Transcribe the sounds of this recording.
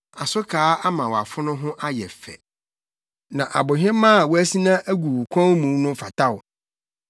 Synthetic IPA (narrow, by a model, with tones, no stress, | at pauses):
a˨sʊ˦kʰaː˨˦a˦mã˨wa˨fʊ˦nʊ̃˦ɦʊ̃˦ʔa˦jɛ˨fɛ̰˨ | nã˨ʔa̰˨bʊ˨ɦɪ̃˦mã˦a˨wɔ˦æ˦si˦nã˦ʔæ˦ɡʷu˨wu˨kʷʰɔ̃˦nmũ˨˦nʊ̃˦fa˨tʰa˦wʊ˨